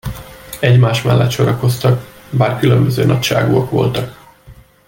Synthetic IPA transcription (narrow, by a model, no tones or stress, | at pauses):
ɛɟmaːʃmɛlːɛt̪ʃo̞ɾɒko̞st̪ɒkbaːrkylømbøzøːnɒcʃa̰ːɡuɒkʋo̞̰lt̪ɒk